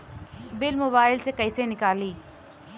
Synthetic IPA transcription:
bɪlmoːbaːɪlsekɐɪsenɪkaːliː

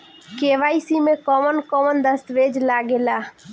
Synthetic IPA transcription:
keʋaːisimẽkɔːmənkɔːmənd̪əst̪ʋed͡ʒlaɡelaː

